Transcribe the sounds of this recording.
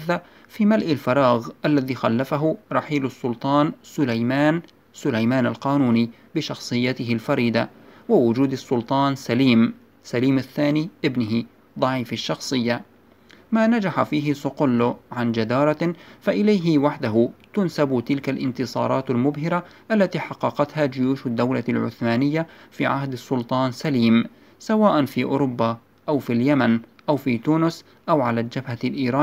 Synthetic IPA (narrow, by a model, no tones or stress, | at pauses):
θa | fiːmalʔɪlfɑɾˤɑːɣʔalːaðiːxalːafaɦʊɾˤɑħiːlɑsːʊlt̪ˤɑːnsʊlajmaːn | sʊlajmaːnalqɑːnuːniː | bɪʃɑxsˤɨjːat̪ɪɦɪlfɑɾiːd̪a | wawʊd͡ʒuːd̪ɑsːʊlt̪ˤɑːnsaliːm | saliːmaθːaːniːʔɪbnʊɦɪ | ðˤɑʕiːfaʃːɑxsˤɨjːa | maːnad͡ʒaħafiːɦɪsʊqʊlːʊʕand͡ʒad̪ɑːɾˤɑfaʔɪlajɦɪwaħd̪aɦʊt̪ʊnsabʊt̪ɪlkalʔɪ̰nt̪ɨsˤɑ̰ːɾˤɑːt̪almʊbɦɪɾaʔalːat̪iːħɑqːɑqɑt̪haːd͡ʒʊjuːʃʊd̪ːawlalʕʊ̰θmaːnɪjːafiːʕa̰hd̪ɑsːʊlt̪ˤɑːnsaliːm | sawaːʔanfiːʔʊ̰ɾʊbːa | ʔawfiljamanʔawfiːt̪uːnʊs | ʔawʕalaːld͡ʒabhalʔiːɾˤɑːn